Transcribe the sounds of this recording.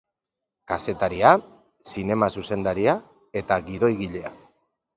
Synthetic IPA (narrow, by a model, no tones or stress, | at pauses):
kase̞t̪aɾia | sine̞masuse̞nd̪aɾia | e̞t̪aɣiðo̞jɣiʎe̞a